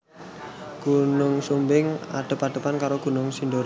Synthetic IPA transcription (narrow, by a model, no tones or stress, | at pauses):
ɡ̥unʊŋsumbɪŋa̰ɖ̪̥ə̤paɖ̥̪ə̤pankaɾoɡ̥ṳnʊŋsindoɾ